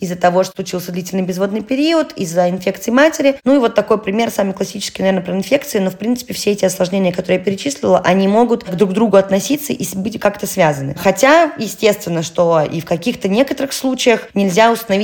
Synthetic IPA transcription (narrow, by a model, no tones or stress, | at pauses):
ɪzːət̪ɐvo̞ʂt̪lˠʊt͡ɕilˠsʲəd̪lʲitʲɪlʲnɨjbʲɪzvo̞d̪nɨjpʲɪɾʲiət̪izːəɪnfʲe̞kt̪sɨɪmatʲɪɾʲɪnuivo̞t̪ːɐko̞jpɾʲɪmʲe̞rsamɨjklˠɐsʲit͡ɕɪ̥skʲɪnɐvʲenəpɾəɪnfʲe̞kt̪sɨɪno̞fpɾʲint̪sɨ̥pʲɪfsʲeɛtʲɪɐslˠɐʐnʲenʲɪjəkɐt̪oɾɨəjapʲɪɾʲɪt͡ɕisʲlʲɪlˠəʔɐnʲimo̞ɡʊt̪ɡd̪ɾuɡd̪ɾuɡʊɐt̪nɐsʲit̪sːəʔibɨtʲkakt̪əsvʲazənɨ̰xɐtʲajɪsʲtʲe̞st̪vʲɪnːəʂt̪o̞ḭfkɐkʲixt̪ənʲe̞kət̪əɾɨxslˠut͡ɕɪjəxnʲɪlʲzʲaʊst̪ənɐvʲi